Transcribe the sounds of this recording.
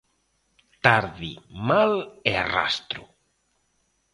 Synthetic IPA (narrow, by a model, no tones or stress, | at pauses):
t̪aɾðimaleara̰st̪ɾʊ